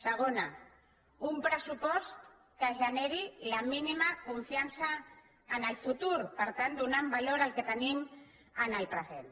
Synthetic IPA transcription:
səɣ̞ona | umpɾəsupɔst̪ | kəʒəneɾilaminimakuɱfiansaː | nəlfut̪uɾpəɾt̪ant̪d̪unambaloɾalket̪ənim | ənəlpɾəzen

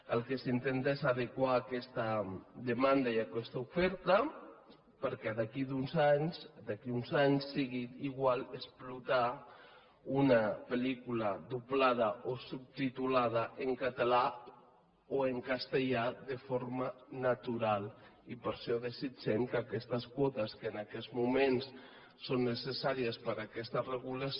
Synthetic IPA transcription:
əlˠkesint̪ent̪aezað̞ekwaːkɛst̪ad̪emand̪aiakɛst̪aufɛɾt̪a | pəɾkɛðakid̪unzaɲsd̪akiunzaɲsːiɣit̪iɣwalesplut̪a | unapelikulaðuplaðəʔosup̚t̪it̪ulað̞əʔəŋkat̪əla | oeŋkast̪əʎaðəfoɾmənat̪uɾalˠipəɾʃɔðəsid͡ʒɛmkəːkɛst̪əskwɔt̪əskəːnakɛzmumens | sonːəsəsaɾiəspəɾakɛst̪ərəɣuləs

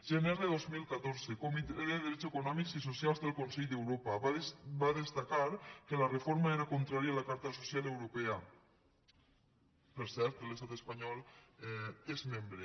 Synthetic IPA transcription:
ʒemezðeðozmilˠkat̪oɾzekomit̪eeɾeðɾɛt͡ʃsekunɔmikzisosjalˠzðelˠkonsɛʎd̪ewɾopaβbaðest̪akaɾkelarefoɾmaeɾakont̪ɾaɾjalakaɾt̪asosjalewɾopea | peɾsɛɾt̪lest̪at̪espaɲɔlˠ | ezmembɾe

